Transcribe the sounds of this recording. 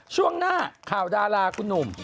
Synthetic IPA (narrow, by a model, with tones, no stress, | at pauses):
t͡ɕʰu˥˩əŋnaː˥˩kʰaː˨˩wdaː˧laː˧kʰu˧nːu˨˩m